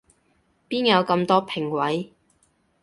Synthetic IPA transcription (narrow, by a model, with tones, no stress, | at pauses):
piː˥njɐ˨˧wkɐ˧mt̪ɔː˥pʰɪ˨˩ŋwɐ˨˥j